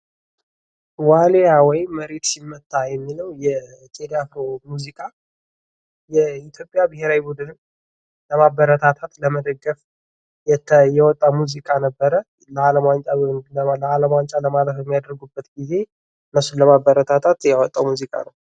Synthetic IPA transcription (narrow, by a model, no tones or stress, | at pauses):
walejawɔjməɾe̞t̪simːət̪ʼːajɛmːiləwjɛt͡ʃʼed̪afɾomuzikʼa | jɛit̪ʰjo̞pʼjabɨɦeɾawibud̪ɨnn | ləmabəɾət̪ʰat̪ʰat̪ləməd̪əɡːəf | jɛjɛwɔt̪ʼːamuzikʼanəbːəɾə | ləaləmant͡ʃʼalaləmant͡ʃʼaləmaləfjɛmːijad̪əɾɡubːət̪ɡize̞ | ɨnːəsːunləmabəɾət̪ʰat̪ʰat̪jɛwɔt̪ʼːawmuzikʼa̰nəw